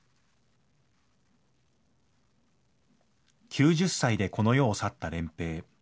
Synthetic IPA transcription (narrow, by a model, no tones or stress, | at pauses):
kʲʰɨːʑɨsːaid̪e̞ko̞no̞jo̞ːsat̪ːaɾẽ̞mpe̞ː